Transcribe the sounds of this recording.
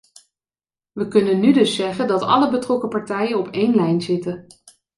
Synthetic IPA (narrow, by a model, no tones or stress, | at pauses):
ʋəkɵnənːydɵsːɛχəndɑtɑ̰ləbətrɔkəpɑɹtɛjənɔpejnlɛjnzɪtə